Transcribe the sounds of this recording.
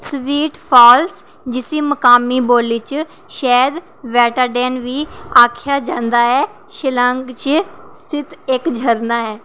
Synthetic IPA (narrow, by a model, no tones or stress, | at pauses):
sʋiːʈpʰɔːls | d͡ʒɪsiːməkaːmiːboːlit͡ʃ | ʃɛːd̪ | ʋɛːʈəɾɖɛːnʋiːaːkʰjaːd͡ʒãːnd̪aːɦɛː | ʃɪləŋɡt͡ʃst̪ʰɪt̪ɪkd͡ʒʱəɾnaːɦɛː